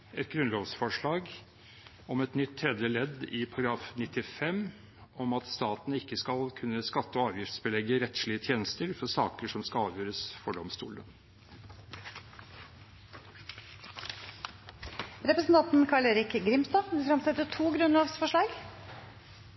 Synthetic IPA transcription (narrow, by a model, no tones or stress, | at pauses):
ɛt̪ɡɾʉnloːʋsfɔʂɭɑːɡ | ɔmɛt̪nʏt̪ʰːɾɛd̪jəlɛd̪ɪpʰɑɡɾɑːfnɪt̪ːɪfɛm | ɔmɑt̪st̪ɑːt̪ənəɪkːəskɑlkʰʉnːəskɑt̪ːəɔɑːʋjɪft̪sbəlɛɡːəɾɛt̪ʂɭɪət̪ʰjeːnəst̪əɾfɔsɑːkəʂɔmskɑlɑːʋjøːɾəsfɔɖɔmst̪ṵːlə | ɾɛpɾəsn̩t̪ɑnt̪n̩kʰɑɭeːɾɪkɡɾɪmst̪ɑːfɪfɾɑmsɛt̪ːət̪ʰuːɡɾʉnloːʋsfɔʂɭɑːɡ